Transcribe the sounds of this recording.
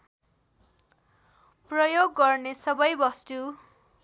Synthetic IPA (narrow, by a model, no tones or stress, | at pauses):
prʌjoɡːʌrnesʌbʌjbʌst̪u